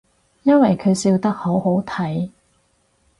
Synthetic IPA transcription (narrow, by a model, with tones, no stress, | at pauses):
jɐ˥nwɐ˨jkʰɵ˨˧ɥsiː˧wt̪ɐ˥k̚ho˨˥who˨˥wt̪ʰɐ˨˥j